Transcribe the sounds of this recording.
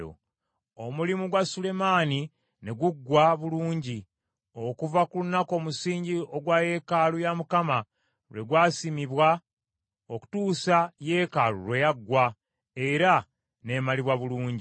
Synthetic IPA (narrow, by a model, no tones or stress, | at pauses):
o̰ | omulimuɡwasule̞maːni | ne̞ɡuɡːwaβuluːɲɟi | o̞kuvakulunako̞ːmusiːɲɟio̞ɡwaje̞kalujamukama | lwe̞ɡwaːsimiβwa | oku̥tuːsaje̞kalṵɾwe̞jaɡːwa | e̞ɾa | ne̞maliβwaβuluːɲɟi